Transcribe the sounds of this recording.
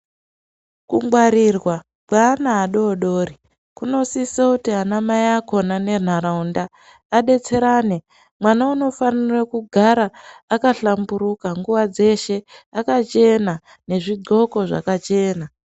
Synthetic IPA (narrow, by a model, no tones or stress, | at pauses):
kumɡwaɾirwa | kwanaːɗo̞ɗo̞ːri | kuno̞sisakutiɦanamajako̞nane̞n̤aɾaundaː | ɗe̞t͡se̞ɾane̞ | mwanauno̞fanirakuɡʱaɾaːkaɬambuɾukaŋɡuʋad͡ze̞ʃe̞akat͡ʃe̞na | ne̞ʐiɡ͡ǀo̞ko̞ʐa̰kat͡ʃe̞ːna